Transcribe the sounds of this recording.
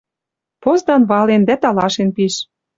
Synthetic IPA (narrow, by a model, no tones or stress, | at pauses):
pozd̪ɑnβɑlend̪æt̪ɑlɑʃenpiʃ